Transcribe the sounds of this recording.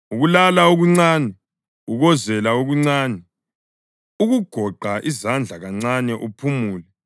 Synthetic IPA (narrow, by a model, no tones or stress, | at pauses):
uɣulalauɣuŋ͡ǀaːnɛ | uɣɔzɛlauɣuŋ͡ǀaːnɛ | uɣuɡ̥ʱɔɡ͡ǃʱaʔizand͡ɮʱaɣaŋ͡ǀanɛʔupʰumuːlɛ